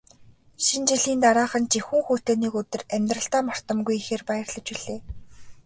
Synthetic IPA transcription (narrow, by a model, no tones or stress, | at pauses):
ʃint͡ɕiɮiːnt̪aɾaːχə̆nt͡ɕixuːŋxuːt̪oːniːkɵt̪ɵ̆ræmʲt̪rə̆ɬt̪aːmɔr̥t̪ə̆mɡujixeːrpajə̆rɮə̆t͡ɕiɮ̥eː